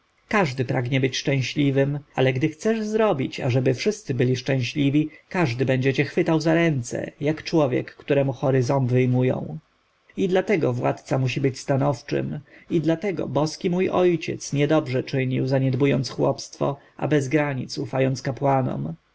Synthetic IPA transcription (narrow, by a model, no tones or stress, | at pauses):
kaʐd̪ɘpɾaɡɲɛbɘt͡ɕʂt͡ʂɛ̃w̃ɕlʲivɘmalɛɡd̪ɘxt̪sɛʐzɾɔbʲit͡ɕa̰ʐɛbɘfʂɘst̪sɘbɘlʲiʂt͡ʂɛ̃w̃ɕlʲivʲikaʐd̪ɘbɛɲd͡ʑɛt͡ɕɛxfɘt̪awzaɾɛnt̪sɛ̰jakt͡ʂwɔvʲjɛ̰kːt̪uɾɛmuxɔɾɘzɔ̃nvɘjmujɔ̰̃w̃ | id̪lat̪ɛɡɔvwa̰t̪t̪samuɕibɘt͡ɕst̪anɔft͡ʂɘ̰mid̪lat̪ɛɡɔ̰bɔskʲimujʔɔjt͡ɕɛ̰t̪sɲɛd̪ɔbʐɛt͡ʂɘɲiwzaɲɛd̪bujɔnt̪sxwɔpst̪fɔ̰ | ʔa̰bɛzɡɾaɲit̪sufajɔnt̪skapwanɔ̰m